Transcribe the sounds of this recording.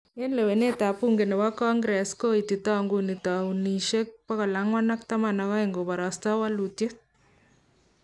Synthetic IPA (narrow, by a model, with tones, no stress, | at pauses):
enle˨we˨ne˦t̪a˨pu˦ŋɡe˨ne˨wa˦kɔ˦ŋɡɾɛ˨sko˦ititɔ˦ŋɡunitɔ˨uniʃe˦k̚pɔ˦kɔ˨la˦ŋwa˦na˦k̚t̪a˦ma˨nɔkɔ˦eŋɡo˨ba˨ɾɑstɔ˦wa˦lu˨tjet̚